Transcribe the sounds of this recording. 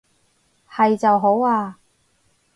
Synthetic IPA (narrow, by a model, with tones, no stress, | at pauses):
hɐ˨jt͡sɐ˨wɦo˨˥waː˧